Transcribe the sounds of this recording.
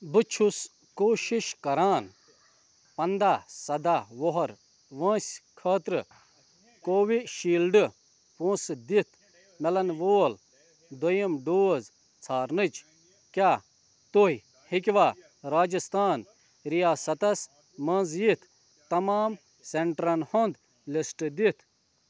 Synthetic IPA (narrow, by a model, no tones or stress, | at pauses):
bɨt͡ʃʰus | koːʃiʃkɐɾaːn | pɐnd̪aːsɐd̪aːʋoɦɐɾ | ʋɐ̃ːsʲkʰɐːt̪ɾɨ | koːʋiʃiːlɖɨ | põːsd̪it̪ʰ | mɛlɐnʋoːl | d̪ojimɖoːz | t͡sʰaːɾnɨt͡ʃ | kʲaː | t̪oɦi | hikʲʋaː | ɾaːd͡ʒɐst̪ʰaːn | ɾijaːsɐt̪ɐs | mɐ̃nzjit̪ʰ | t̪ːɐmaːm | seɳʈɾɐnhond̪ | lisʈd̪it̪ʰ